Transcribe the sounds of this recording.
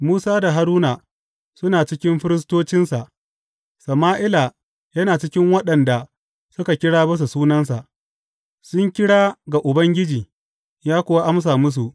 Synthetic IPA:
muː˦saː˦da˨ɦa˦ɾuː˦naː˨ | sʊ˦naː˨t͡ʃɪ˦kʲɪ˦mɸɪ˦ɾɪ˦s̬toː˦t͡ʃɪ˦nsa˨ʔ | sɐ˨maː˦ʔɪ˦la˨ | jɐ˦naː˨t͡ʃɪ˦kʲɪ˦ŋwɐ˦ɗɐ˨nda˨ | sʊ˦ka˨kʲɪ˦ɽaː˦bɐ˦s̬u˨suː˦nɐ˦nsa˨ʔ | sʊ˦ŋkʲɪ˦ɽaː˦ɡa˨ʔʊ˨bɐ˦ŋɡʲɪ˦d͡ʒiː˨ | jaː˦kʷʊ˦wa˦ʔa˦ms̬aː˨mʊ˦s̬u˨ʔ

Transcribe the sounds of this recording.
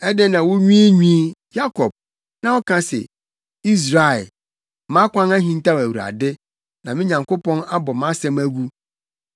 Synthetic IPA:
ɛ˦dɪ˦nã˨wʊ˦ɲĩ˦e˦ɲᶣĩ˦ja˦kʰɔ˨b̚ | nã˨wɔ˦kʰã˦sɛ̰˨ | i˦s̬ɾa˨ɛ˨ | mã˦kʷʰã˦næ˦ɦĩ˨n˦ta˦wæ˨wu˨ɾa̰˨dɪ˦ | nã˨mɪ̃˦ɲã˨ŋko˦pɔ̃˦na˦bɔ˨mã˦sɛ̃˦mæ˦ɡu˦

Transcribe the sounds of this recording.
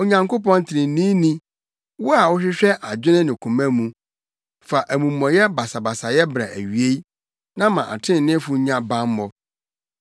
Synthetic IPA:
o˨ɲã˨ŋko˦pɔ̃˦n˦tʰɪ˨ɾɪ̃˨˦nĩː˦nĩ˦ | wʊ˦a˨wʊ˦ɕᶣɪ˦ɕᶣɛ˦ʔa˨d͡ʑᶣɪ˦nɪ̃˦nɪ̃˨kʰũ˨mæ̃˦mũ˨ | fa˨ʔæ˨mũ˨m̩ːɔ̃˨jɛ˦ba˨sa˨ba˨sa˨jɛ˦bɾa̰˨ʔæ̰˨ɥi˨e˦i˦ | nã˦mã˨ʔa̰˨tʰɪ̃˦n˨nɪ̃˦fʊ˨˦ɲã˦bã˦mː˦ɔ˨

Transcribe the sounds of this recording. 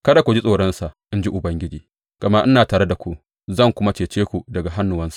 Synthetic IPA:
kɐ˦da˨kʷu˨d͡ʒi˦sʼoː˨ɽɐ˦nsa˨ʔʔɪ˦nd͡ʒi˦ʔʊ˨bɐ˦ŋɡʲɪ˦d͡ʒiː˨ | ɡ̥ɐ˨ma˦ʔɪ˦naː˨taː˨ɽe˦da˨kʷu˦ | zɐ˦˨ŋkʷʊ˦ma˦t͡ʃeː˨t͡ʃeː˦kʷu˨dɐ˨ɡa˨ɦa˦nːʊ˨wɐ˦nsḁ˨ʔ

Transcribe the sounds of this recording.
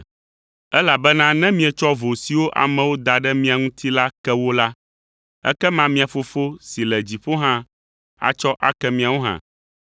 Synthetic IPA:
ɛ˦la˨bɛ˦nã˦nɛ̃˦mĩ˦ɛ˨t͡ʃɔ˦vo˨si˨wo˦ʔa̰˨mɛ̃˨wo˦d̪a˨ɖɛ˦mĩ˦a˨ŋũ˦t̪ʰi˦la˦kɛ˦wo˦la˦ | ɛ̰˦kɛ˦mã˦mĩ˨a˨fo˨fo˦si˨lɛ˨d͡ʑi˨ɸo˦ɦã˦ | a̰˨t͡ʃɔ˦ʔa̰˨kɛ˦mĩ˨a˨wo˦ɦã̰˨

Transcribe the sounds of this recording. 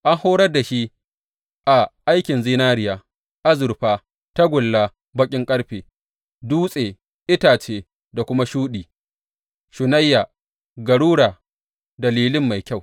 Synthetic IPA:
ʔa˦ŋhoː˦ɾɐ˦rda˨ʃi˦ | ʔa˨ʔa˦jkʲɪ˨nzi˦naː˦ɾɪ˨jaː˨ | ʔa˦zʊ˨ɾɸaː˦ | ta˦ɡʷʊ˨lːaː˦ | bɐ˦kʲʼɪ˦ŋkʼɐ˦ɽɸeː˨ | duː˦sʼeː˨ | ʔɪ˦taː˨t͡ʃeː˦ | da˨kʷʊ˦ma˦ʃuː˦ɗiː˨ | ʃʊ˨na˦jːaː˨ | ɡɐ˨ɽuː˦ɽaː˨ | dɐ˨liː˦lɪ˦mːa˨jkʲa˦˨w

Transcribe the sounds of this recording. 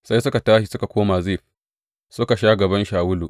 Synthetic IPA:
sa˦jsʊ˦ka˨taː˦ʃi˨sʊ˦ka˨kʷoː˦maː˨zeː˦˨ | sʊ˦ka˨ʃa˦ɡɐ˨bɐ˦nʃaː˨wʊ˦luː˨

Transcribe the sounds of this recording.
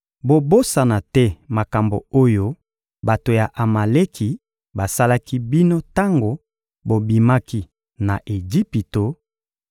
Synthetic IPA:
bo˨bo˦sa˨na˨tɛ˦ma˨ka˨mbo̰˨o˦jo˦ | ba˨to˨ja˨ʔa˨ma˨le˦kʰi˨ | ba˨sa˦la˦ki˦bi˦no˦ta˦ŋɡo˨ | bo˨bi˨ma˦ki˦ | na˨ʔe˨d͡ʒi˦pi˨to˨

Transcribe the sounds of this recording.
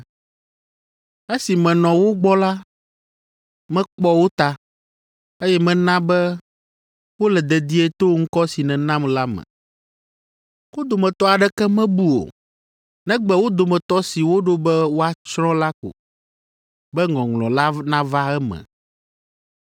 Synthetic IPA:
e˦si˨mɛ̃˨nɔ̃˨wo˦ɡ͡bɔ˦la˦ | mɛ̃˦k͡pɔ˦wo˦t̪a˦ | e˦jɛ˦mɛ̃˨nã˦bɛ˦ | wo˦lɛ˨d̪ɛ˨d̪i˦ɛ˦t̪o˦ŋ̩˦kɔ˦si˨nɛ̃˨nã˦mla˦mɛ̰̃˨ | wo˦d̪o˨mɛ̃˨t̪ɔ˦a˨ɖɛ˦kɛ˦mɛ̃˦bu˦o̰˨ | nɛ̃˦ɡ͡bɛ˦wo˦d̪o˨mɛ̃˨t̪ɔ˦si˨wo˦ɖo˦bɛ˦wo˦a˨t͡ʃɾɔ̃˦la˦ko̰˨ | bɛ˦ŋɔ̃˨ŋlɔ̃˨la˦nã˦va˦ɛ˦mɛ̰̃˨

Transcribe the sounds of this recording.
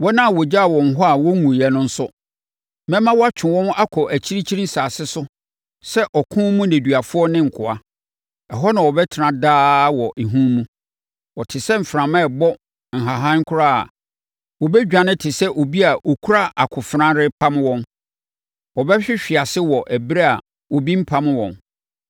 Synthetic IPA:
wɔ˦nã˦˨wɔ˨d͡ʑa˦a˨wɔ̃˨n˨ɦɔ˦a˨wɔ˦ŋũ˨jɛ˨nʊ̃˦n̩˦sʊ˦ | mɛ̃˦mã˦wɔ˦a˦t͡ɕʰᶣɪ̃˨wɔ̃˦ma˦kʰɔ˨ʔæ˨t͡ɕʰi˦ɾi˦t͡ɕʰi˦ɾĩ˦n̩˦saː˨sɪ˦sʊ˦ | sɛ˦ʔɔ˨kʰʊ̃˦mũ˦næ̃˨dɥa˨fʊ˦ɔ˦nɪ̃˦ŋ̩˨kʰʊ˨a˨ | ɛ˨ɦɔ˦nã˨wɔ˨bɛ˦tʰɪ˨ɾã˨daː˦wɔ˨ʔe˨ɦũ˦mũ˦ | wɔ˨tʰɪ˨sɛ˦m̩˨fɾã˨mɛ̃˦˨bɔ˦ | ŋ̩˨ɦa˨ɦã˦ŋ̩˦kʰʊ˦ɾa˦a̰˨ | wɔ˨bɛ˦d͡ʑᶣã˨nɪ̃˦tʰɪ˨sɛ˦ʔo˨bi˦a˨ʔo˨kʰu˦ɾa˦ʔa˨kʰʊ˨fɾã˦ɾɪ˦pʰã˦m˦wɔ̃˦n | wɔ˨bɛ˦ɕᶣɪ˦ɕᶣɪ˨a˨sɪ˦wɔ˨ʔæ˨bɾa˦a̰˨ | wo˨bi˦m̩˦pʰã˦m̃˦wɔ̰̃˨n

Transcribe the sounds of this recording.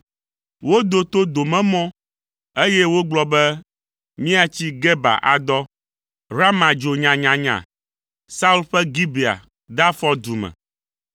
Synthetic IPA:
wo˦d̪o˨t̪o˦d̪o˨mɛ̃˦mɔ̃˦ | e˦jɛ˦wo˦ɡ͡blɔ˦bɛ˦ | mĩ˦a˦t͡ɕi˦ɡɛ˦ba̰˨ʔa˨d̪ɔ˦ | ɾa˦mã˨d͡ʒo˨ɲã˨ɲã˨ɲã̰˨ | sa˦u˦lɸɛ˦ɡi˦be˨a̰˨ | d̪a˦fɔ˦d̪u˨mɛ̰̃˨

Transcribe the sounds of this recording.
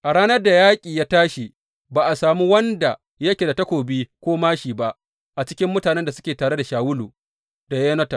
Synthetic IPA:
ʔa˨ɽaː˦nɐ˦rda˨jaː˦kʲʼiː˨jaː˦taː˦ʃi˨ | baː˨ʔa˨saː˨mu˦wɐ˦nda˨ | jɐ˦kʲe˨da˨ta˦kʷoː˨biː˦kʷoː˦maː˦ʃiː˨ba˦ʔ | ʔa˨t͡ʃɪ̥˦kʲɪ˦mːʊ˦taː˨nɛ˦nda˨sʊ̥˦kʲeː˨taː˨ɽe˦da˨ʃaː˨wʊ˦luː˨ | da˨jeː˦nɐ˦ta˨

